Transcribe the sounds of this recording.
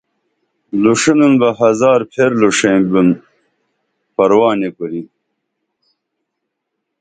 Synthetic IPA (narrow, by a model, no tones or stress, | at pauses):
luʂinunbɐɦɐzaːɾpʰeɾluʂembun | pɐɾwaːnekuɾi